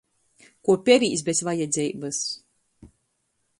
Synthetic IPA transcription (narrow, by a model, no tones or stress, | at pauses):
kuɔpʲɛɾiːsbʲesvajɛd̪zʲɛjbɨs